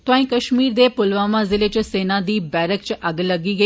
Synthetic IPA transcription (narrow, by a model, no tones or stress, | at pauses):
t̪ʊãːĩːkəʃʃmiːɾd̪eːpʊlʋaːmãːzɪleːt͡ʃseːnãːd̪iːbɛːɾəkt͡ʃʔəɡləɡiːɡə